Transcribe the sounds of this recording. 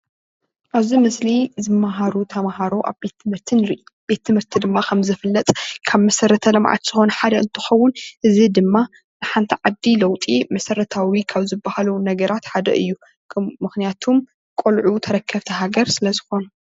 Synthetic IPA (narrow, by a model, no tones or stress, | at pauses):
ʔaβzimɨslizɨmːaɦaɾut̪ʰɐmahaɾoʔa̰βbet̪ʰːɨmhɨɾt̪ʰɨnɾiʔb̥e̞t̪ʰːɨmhɨɾt̪ʰid̪ɨmːakʰɐmzɨfɨlːɐt̪ʼkʰaβmɐsɐɾɐt̪ʰɐlɐmʕa̰t̪z̥ɨxo̞nɐħad̪ɐɨnt̪ʰɨxɐwːʊnʔɨzid̪ɨmːa | nɨħant̪ʰiʕad̪ilɐwt̪ʼimɐsɐɾɐt̪ʰawikʰaβzɨbːahalɐwnɐɡɐɾat̪ħad̪ɐ̰ʔɨ̰jːu | kʰmːɨxnijat̪ʰum | kʼolʕut̪ʰɐɾɐkʰːɐβt̪ʰɐɦaɡɐɾsɨlɐzɨxo̞nu